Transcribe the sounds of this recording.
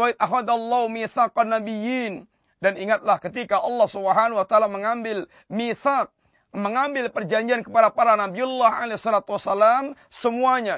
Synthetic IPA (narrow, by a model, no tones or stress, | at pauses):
wait̪̚afad̪alːaumiθaqanːabijin | daniŋat̪̚lahkət̪ikaʔɑlːɑhsubəɦanwat̪aaːlaməŋambɪl | miθak̚ | məŋambɪlpərd͡ʒaɲd͡ʒiankəpadapaɾanabiɔlːaɦa̰lesɔlat̪uwasːalam | səmuaɲa